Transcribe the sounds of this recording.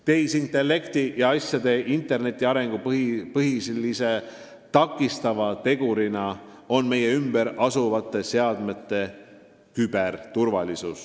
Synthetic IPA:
t̪e̞jsint̪ˑe̞lːe̞kt̪ijɑɑsʲjɑd̪e̞ʔint̪ˑe̞rne̞t̪ʲːˑiɑɾe̞ŋɡ̥upɤɦislːise̞ | t̪ɑkːˑist̪ɑvɑt̪e̞ɡuɾinɑ | o̞nme̞je̞ymbe̞ɾɑsuvɑt̪ːˑe̞se̞ɑd̪me̞t̪ˑːe̞ | kyb̥ert̪urvɑlisus

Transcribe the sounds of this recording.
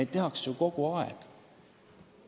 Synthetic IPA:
ejt̪t̪ːe̞hɑkssuko̞ɡ̥uɑḛɡ̥

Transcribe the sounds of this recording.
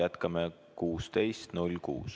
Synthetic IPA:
jæt̪kɑme | kuːst̪e̞jst̪nulʲkṵːs

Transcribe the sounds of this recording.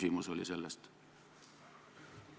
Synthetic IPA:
simusoliselːest̪

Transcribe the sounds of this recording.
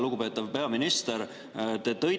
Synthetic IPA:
luɡupe̞ːt̪ːˑɑvpe̞ɑminist̪eɾ | t̪et̪ɤj

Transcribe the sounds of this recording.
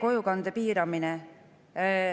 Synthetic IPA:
ko̞jukɑnd̪epiːɾɑminɛ

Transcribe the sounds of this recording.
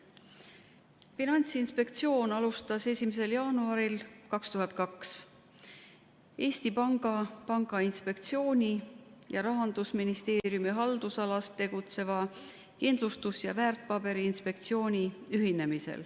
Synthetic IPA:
finɑnʲt̪sinspe̞kt̪sio̞ːnɑlust̪ɑse̞sʲimese̞ljɑːnuɑɾilkɑkst̪uhɦɑt̪̚ˑkɑks | e̞ːst̪ipɑŋɡ̥ɑpɑŋɡ̥ɑinspe̞kt̪sio̞ːnʲijɑɾɑɦɑnd̪̥usminist̪e̞ːɾjumiɦɑld̪usɑlɑst̪ːe̞ɡ̥ut̪se̞vɑ | kind̪lust̪usjɑvæːrt̪̚ːˑpɑbe̞ɾiːnspe̞k̚t̪sio̞ːnʲiyɦine̞misḛl

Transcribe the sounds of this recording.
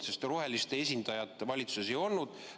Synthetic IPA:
sest̪ro̞ɦe̞list̪e̞es̬ʲind̪̥ɑjɑt̪ˑːe̞vɑlʲit̪su̥se̞s̬e̞jo̞lnud̪̥

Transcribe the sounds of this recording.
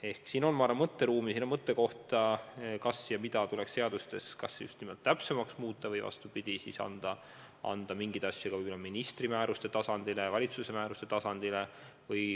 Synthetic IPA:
e̞hksiːno̞nmɑːɾɑmɤt̪ːe̞ɾuːmisinːomɤt̪ːˑe̞ko̞ht̪ɑkɑsjɑmid̪̥ɑt̪uleksse̞ɑd̪ust̪e̞skɑsːejṵst̪nimot̪̚t̪ːæpse̞mɑksmuːt̪ˑːɑvɤjvɑ̰st̪upid̪̥isḭːsɑ̰nd̪̥ɑ | ɑ̰nd̪̥ɑmiŋɡid̪ɑsʲjɑkɡɑvɯjelominist̪rimæːɾust̪e̞t̪ɑsɑnd̪̥ilevɑlʲit̪suse̞mæːɾust̪e̞t̪ɑsɑnd̪̥ile̞vɤj

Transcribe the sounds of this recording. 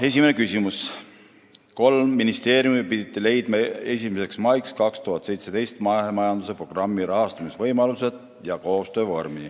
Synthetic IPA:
e̞s̬ʲimene̞kysʲimus | ko̞lmːinist̪e̞ːɾjumipid̪̥it̪ːˑile̞jd̪̥mɑe̞sʲimese̞ksmɑjkskɑkst̪uhɦɑt̪ːˑse̞jt̪se̞d̪e̞jst̪mɑemɑjɑnd̪use̞pro̞ɡ̥rɑmːiɾɑɦɑst̪ɑmisvɤjmɑluse̞d̪̥ | jɑko̞ːst̪ø̞ːvo̰rmi

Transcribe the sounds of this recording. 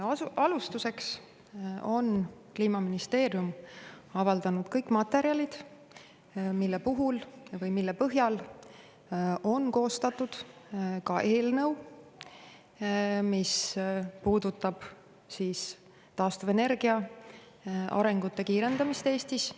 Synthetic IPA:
ɑlust̪use̞ks | o̞nkliːmɑminist̪e̞ːɾjumɑvɑld̪̥ɑnud̪̥kɤjkːˑmɑt̪ːˑe̞ɾjɑlid̪̥ | milːe̞puɦulvɤjmilːepɤɦjɑl | ʔo̞nko̞ːst̪ɑt̪ːˑud̪̥kɑʔe̞ːlnɤ̞w | mispuːd̪ut̪ːˑɑb̥ | siːs | t̪ɑːst̪uve̞ne̞rɡiɑ | ɑ̰ɾe̞ŋɡut̪ːe̞kiːɾe̞nd̪̥ɑmist̪e̞ːst̪is

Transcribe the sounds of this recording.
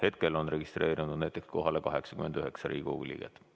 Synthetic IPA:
he̞t̪̚ke̞lo̞nre̞ɡ̥ist̪re̞ːɾinuud̪næjt̪ːˑe̞ksko̞ɦɑle̞kɑɦe̞ksɑ̥kymend̪̥yɦe̞ksɑɾḭːɡṵɡilʲḭːɡ̥et̪ːˑ

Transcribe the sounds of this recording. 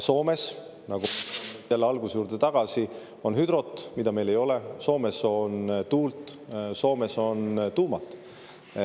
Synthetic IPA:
so̞ːme̞s | nɑɡ̥ujælːeɑlɡ̥usjuːrd̪̥et̪ɑɡ̥ɑsi | o̞nhyd̪ɾo̞t̪ːˑmid̪̥ɑme̞jle̞jo̞leso̞ːme̞so̞nt̪uːlt̪ˑso̞ːme̞so̞nt̪uːmɑt̪ːˑ

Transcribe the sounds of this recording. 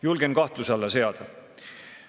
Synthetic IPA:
julɡ̥enkɑht̪lusɑlːɑse̞ɑd̪̥ɑ

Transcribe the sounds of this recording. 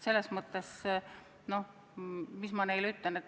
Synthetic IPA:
se̞lːesmɤt̪ːˑes | no̞ | mismɑne̞jlyt̪lene

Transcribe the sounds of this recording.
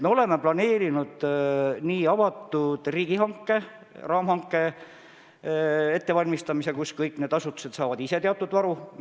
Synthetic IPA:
meo̞le̞meplɑne̞ːɾinud̪̥niːɑvɑt̪ːˑud̪̥riːɡ̥iɦɑŋkːe̞ | rɑːmhɑŋkːˑe̞ | e̞t̪ːe̞vɑlʲmist̪ɑmise̞kuskɤjkːˑne̞d̪ɑsut̪ːu̥se̞t̪sɑːvɑd̪ise̞t̪eɑt̪ːˑud̪̥vɑɾu

